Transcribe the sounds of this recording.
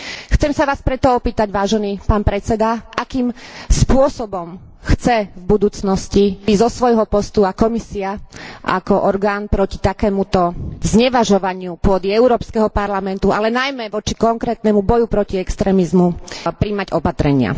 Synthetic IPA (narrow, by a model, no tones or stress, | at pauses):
xt͡sɛmsaʋaːspɾɛt̪ɔɔpiːt̪aɟʋaːʒɛniːpaːnpɾɛt͡sɛd̪aʔakiːmspʊɔsɔbɔm | xt͡sɛvbud̪uːt͡snɔscizɔsʋɔjɦɔpɔst̪uakɔmisiaʔa̰kɔʔɔɾɡaːnpɾɔci̥t̪akɛːmut̪ɔzɲɛʋaʒɔʋaɲɪupʊɔd̪iɛʊɾɔːpskɛɦɔpaɾlamɛnt̪uʔalɛnajmɛʋɔt͡ʃi̥kɔŋkɾɛːt̪nɛmubɔjupɾɔciɛkst̪ɾɛːmizmupɾimaɟɔpat̪ɾɛɲɪa̰